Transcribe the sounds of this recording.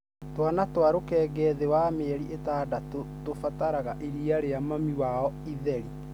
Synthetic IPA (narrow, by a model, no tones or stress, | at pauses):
twanatwaɾokɛːɡɛðewameɛɾiʔetaːdatotofataɾaɣaʔiɾiaɾeamamiwaɔiðɛɾi